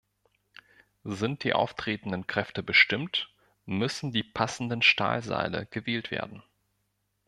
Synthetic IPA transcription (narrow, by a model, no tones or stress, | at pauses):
zɪnt̚d̥iːʔa̰ʊftʁ̥eːtn̩dənkʁ̥ɛftəbəʃtɪmt | mʏsn̩diːpʰasn̩dənʃta̰ːlza̰ɪlə̰ɡ̥əveːltv̥ḛːɐdn̩